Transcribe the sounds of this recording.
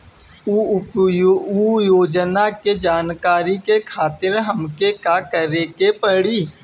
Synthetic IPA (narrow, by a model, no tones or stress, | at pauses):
ujoːd͡ʒnaked͡ʒaːnkaːɾikekʰaːt̪ɪɾɦəmkekakəɾekepəɽiː